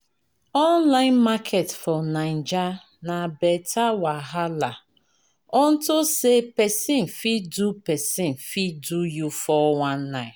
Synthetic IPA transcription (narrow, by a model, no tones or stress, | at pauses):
ɔnlaɪ̃nmakʰetfɔnaɪn̩d͡ʒa | nabɛtʰawaɦala | ɔn̩tʊsepɛsin̩fidupɛsinfidujufɔwãnːaɪ